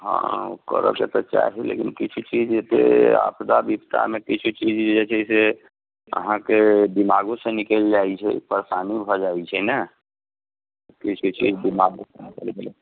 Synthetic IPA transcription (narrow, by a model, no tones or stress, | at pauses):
ɦə̰̃o̰kə̰ɾə̰bket̪ɔt͡ʃa̰ɦɛlḛkinkit͡ʃʰut͡ʃid͡ʒet̪ḛa̰pʰd̪abipt̪a̰mekit͡ʃʰut͡ʃid͡ʒd͡ʒet͡ʃʰɛse | ə̰ɦãkeb̪imaɡosẽnikeld͡ʒait͡ʃʰɛ̰pəɾsanibʱɔd͡ʒait͡ʃʰɛnə | kit͡ʃʰut͡ʃid͡ʒb̪imaɡosenikəlbelɛ